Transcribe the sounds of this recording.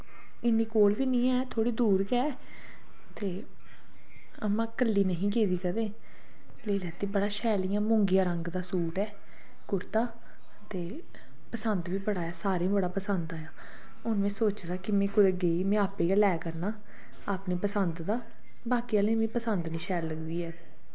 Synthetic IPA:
ɪniːkoːlʋiːnĩːɛːt̪ʰoːɽiːd̪uːɾɡɛː | t̪eː | əmãːkəlːiːnəɦĩːkeːd̪iːkəd̪ẽː | leːlɛːt̪iːbəɽaːʃɛːlijãːmʊ̃ŋɡɪjãːɾəŋɡd̪aːsuːʈɛː | kʊɾt̪aː | t̪eː | pəsənd̪ʋiːbəɽaːɛːsaːɾẽːbəɽaːpəsənd̪aːjaː | ʊnʋẽːsoːt͡ʃd̪aːkɪmɛ̃ːkʊd̪eːɡeːiːmẽːaːpeːkaːlɛːkəɾnaː | aːpniːpəsənd̪d̪aː | baːkiːaːlẽːmẽːpəsənd̪nĩːʃɛːlləɡd̪iːɛː

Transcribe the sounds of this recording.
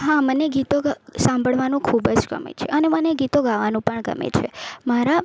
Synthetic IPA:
ɦaməneɡit̪oɡsãmbʱəɭʋanũkʰubd͡ʒɡə̰mḛt͡ʃʰeʔəneməneɡit̪oɡaʋanũpəɳɡə̰mḛt͡ʃʰemaɾa

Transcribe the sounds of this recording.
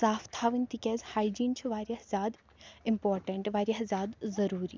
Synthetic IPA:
saːft̪ʰaːʋɨnʲt̪ikʲɛːzʲhaːjd͡ʒiːnt͡ʃʰiʋaːɾjɐhzʲaːd̪ | impoːɾʈɐɳʈʋaːɾjɐɦzʲaːd̪zɐɾuːɾḭː

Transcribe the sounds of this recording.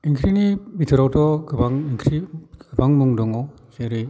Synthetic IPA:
iŋkʰɾinibitʰɯɾawtʰɔɡɯbaŋiŋkʰɾiɡɯbaŋmɯŋdɯŋɔ | seɾɯ

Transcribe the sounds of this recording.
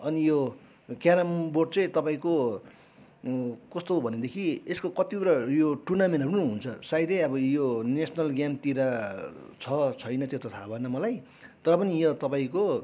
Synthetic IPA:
ʌnijo | kjaɾamborʈt͡sʌ̃j̃t̪ʌpaĩko | kʌst̪obʱʌned̪ekʰieskokʌt̪ibuɾajoʈunamenʌnũɦunt͡sʰʌsajd̪ʌʌbʌjonesʰʌnʌlɡjamt̪iɾa | t͡sʰʌt͡sʰʌjnʌt̪jot̪ʌt̪ʰabʱʌnʌmʌlaj | t̪ʌɾʌpʌnijʌt̪ʌpaĩko

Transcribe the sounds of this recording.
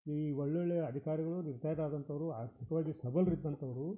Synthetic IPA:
iːʋɔɭːeɭːeɐd̪ʱikaːɾiɡɐɭuniɾt̪aːjd̪aːd̪ɐnt̪ɐʋɐɾuaːɾt̪ʰikɐʋaːɡisɐbɐlɾid̪ːɐnt̪ɐʋɐɾu

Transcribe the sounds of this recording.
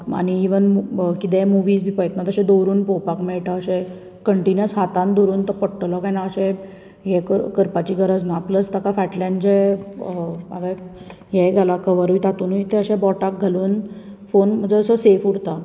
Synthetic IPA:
a̰niiʋənkit̪ɛ̃muʋiːsbʱiːpəjət̪nat̪əɕɛ̃d̪owɾuːnpowpakmɛɭʈaəɕɛ̃ | kəɳʈinjəsɦat̪ãnd̪oɾuːnt̪əɾpəɽʈlɔkainaəɕɛ̃ | jɛkəɾkəɾpat͡ɕiɡəɾəd͡znapləst̪akafɛʈlaɳd͡ʑɛ | a̰ʋe | jɛɡʱalakəʋəɾujt̪at̪uːnuit̪ɛəɕɛ̃bɔʈak̚ɡʱaluːnfonm̤əd͡zeəsəsefuɽt̪a

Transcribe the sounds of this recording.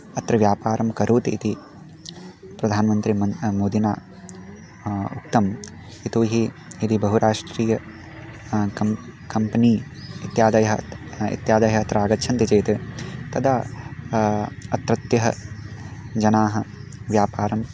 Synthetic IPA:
ɐt̪ɾɐʋjaːpaːɾʔɐmkɐɾʔuːt̪it̪i | pɾɐd̪ʱaːnmɐnt̪ɾimɐnmoːd̪ina̰ː | uk̚t̪ɐm | it̪uːɦiid̪ibɐɦuɾaːʂʈɾiːjɐ | ɐkɐmpɐniːit̪jaːd̪ɐjɐɦɐḭt̪jaːd̪ɐjɐɐt̪ɾɐaːɡɐtːʃʰɐnt̪it͡ʃeːt̪it̪ɐd̪aː | ɐt̪ɾɐt̪jɐɦɐ̰ | d͡ʒɐnaːɦɐ̆ʋjaːpaːɾɐm

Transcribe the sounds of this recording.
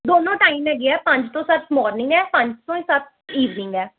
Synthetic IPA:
d̪oːnõːʈaːimɦɛːɡɪɛːpə̃ɲd͡ʒt̪õːsətmɔːɾnɪ̃ŋɡɛːpə̃ɲd͡ʒt̪õːĩːsət̪̚iːʋnɪ̃ŋɡɛː

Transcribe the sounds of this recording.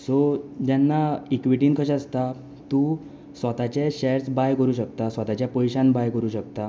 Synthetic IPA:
sod͡ʑanːaikʋiʈiːnkʰəɕast̪a | t̪uː | sʋat̪at͡ɕeɕɛɾsbajkəɾuːɕəkt̪asʋat̪at͡ɕjapɔjɕanbajkəɾuːɕək̚t̪a

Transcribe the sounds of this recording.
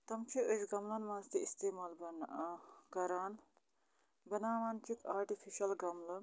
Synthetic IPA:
t̪ɐmt͡ʃʰiəʃɡɐmlɐnmãːnzt̪iist̪eːmaːlbɐnkɐɾaːn | bɐnaːʋaːnt͡ʃik̪ʰaːɾʈifʰiʃɐlɡɐmlɐ

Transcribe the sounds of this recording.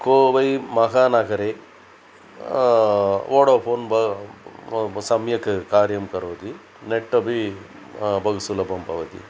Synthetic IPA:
koːʋɐjmɐkaːnaːkɐɾe | oːɽɐpʰoːnbɐ | sɐmjɐkɐkaːɾjɐmkɐɾoːt̪i | neʈːɐbi | bɐɡɐsulɐbɐmpɐ̰ʋɐt̪ḭ

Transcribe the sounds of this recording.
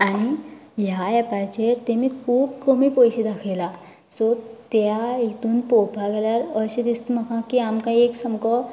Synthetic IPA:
aɽ̃iɦjaɛpat͡ɕeɾt̪emiːkʰuːbkəmiːpojɕid̪akʰejla | sɔt̪jait̪uːnpopaɡʱeljaɾəɕed̪ist̪məkãkiamkãieksəmkɔ

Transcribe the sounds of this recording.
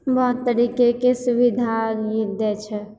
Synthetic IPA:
bɔɦʊt̪ːəɾikekesubid̪ʱaɾjid̪ɛt͡ʃʰɛ

